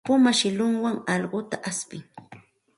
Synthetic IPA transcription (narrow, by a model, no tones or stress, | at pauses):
pʊmaʃɪlʊŋwaŋɑlɢʊt̪aʔaspɪŋ